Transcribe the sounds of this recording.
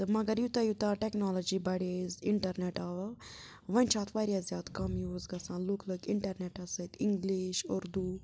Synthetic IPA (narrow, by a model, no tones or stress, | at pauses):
t̪ɨmɐɡɐɾjut̪ɐjut̪aʈeknoːlod͡ʒibɐɽeziɳʈɐɾneʈaːʋɐ | ʋɐnʲt͡ʃʰaːt̪ʰʋaɾʲjazʲjaːd̪kɐmjuːzɡɐsãːluklɐkiɳʈɐɾneʈɐsɐjt̪ʰiŋɡliʃoɾd̪u